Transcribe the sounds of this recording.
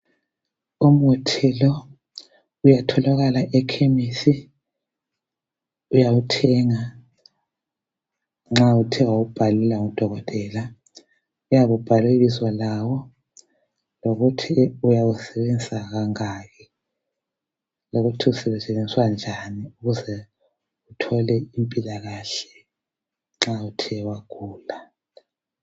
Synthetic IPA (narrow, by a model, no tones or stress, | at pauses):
um̩utʰɛlɔ | ujatʰɔlaɣalaʔɛkʰemisi | ujawutʰɛŋa | ŋ͡ǁautʰiwawub̥ʱalilaŋud̥ʱɔɣɔtʼɛla | ujaβub̥ʱaleɣiswalawɔ | loɣutʰiujawusɛβend͡zʼaɣaŋaːɣɛ | loɣutʰiusɛβɛsɛβend͡ziswand͡ʒʱaniuɣuzɛ | utʰɔlɛimpʼilaɣaɬɛ̥ | ŋ͡ǁautʰɛwaɣʰuːla